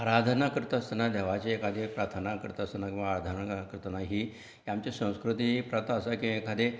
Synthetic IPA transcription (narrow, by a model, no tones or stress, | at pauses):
aɾad̪ʱənakɾit̪əst̪ənad̪ʱɛʋat͡ɕeːkad̪ʱepɾat̪ʰənakəɾt̪əst̪ənakĩʋaːɾad̪ʱənakɾt̪ənaɦiː | iamt͡ɕesə̃w̃skɾut̪̬iipɾat̪aːsakĩekad̪ʱe